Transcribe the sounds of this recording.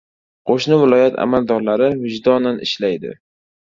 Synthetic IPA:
qʰoʃnɪvɪlˠɒjat̪ʰa̰mald̪ɒɾlaɾɪvɪd͡ʒd̪ɒnanɪ̰ʃlajd̪ɪ̰

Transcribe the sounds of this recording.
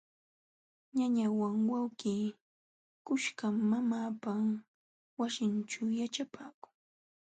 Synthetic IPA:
ɲaɲawaŋwawkiː | kʊʃkamːamaːpa | wasɪnt͡ʃawjat͡ʃapaːkʊ̥ŋ

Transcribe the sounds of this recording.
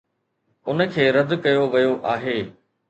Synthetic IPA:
ʊnə̆kʰeːɾɐd̪kɐjoʋɐjoʔaːɦeː

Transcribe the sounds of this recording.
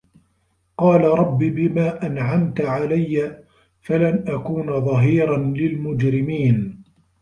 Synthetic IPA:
qɑːlaɾˤɑbːiːbɪmaːʔanʕamt̪ʕalajːa | falanʔakuːnðˤɑɦiːɾɑnlɪlmʊd͡ʒɾɪmiːn

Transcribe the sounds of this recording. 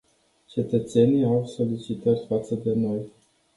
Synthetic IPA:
t͡ʃe̞t̪ət̪se̞niawso̞lit͡ʃit̪at̪fat̪səd̪e̞molt̪

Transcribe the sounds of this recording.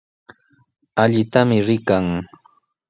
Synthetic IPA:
aʎɪt̪amɪɾɪkaŋ

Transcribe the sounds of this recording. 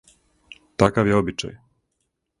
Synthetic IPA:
t̪akaʋjeobit͡ʃa̰j

